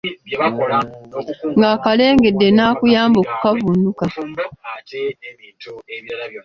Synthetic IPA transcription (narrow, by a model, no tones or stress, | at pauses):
k | ŋɡaːkale̞ːŋɡe̞dːe̞naːkujaːmbo̞ːku̥kavunuka